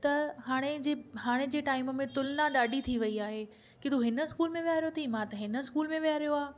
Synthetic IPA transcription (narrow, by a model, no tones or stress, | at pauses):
t̪ɐɦaːɽ̃ed͡ʑeːɦaːɽ̃ed͡ʑeːʈaːɪmə̆mẽt̪ʊlnãɗaːɖʱit̪ʰiʋɐiaːɦe | kit̪uɦɪnə̆ɪskuːlmẽʋijaːɾijot̪ʰimãt̪ɐɦɪnə̆skuːlmẽʋijaːɾijoaː